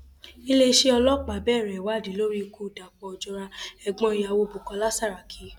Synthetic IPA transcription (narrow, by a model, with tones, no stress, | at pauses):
i˧le˧ʃe˧ɔ˧lɔ˦˨k͡pa˨bɛː˦˨ɾɛ˨wa˦˨dĩ˨˦lo˦ɾi˦˧ku˧˦˨da˨k͡pɔ˨˧d͡ʒɔ˧ɾa˧ɛ˨ɡ͡bɔ̃˧i˧ja˨˧wo˧bu˨kɔ˨˧la˦sa˦˨ɾa˨kʰi˨˦